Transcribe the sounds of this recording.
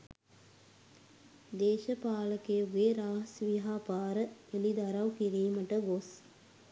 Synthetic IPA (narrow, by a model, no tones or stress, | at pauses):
d̪eːʃəpaːləkejəʋeːɾaːɦsʋiɦaːpaːɾəelid̪aɾɐwkiɾiːməʈəɡos